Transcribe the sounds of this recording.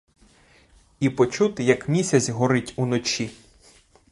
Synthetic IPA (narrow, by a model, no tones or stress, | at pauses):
ipɔt͡ʃut̪ɪjɐkmʲisʲɐt͡sʲɦɔɾɪtʲunɔt͡ʃʲi